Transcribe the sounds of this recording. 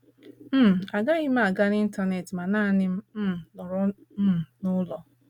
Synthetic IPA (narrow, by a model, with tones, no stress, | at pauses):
m̩˦m˨a˨ɡa˦ɣɪ˦m̩˦a˨ɡa˦ni˦n̩˦ta˦˨ne˨ti˨ma˨naː˦nɪ˦m̩˦m̩˦˨nɔ˨ɾʊ˦˨ | nʊ˦lɔ˨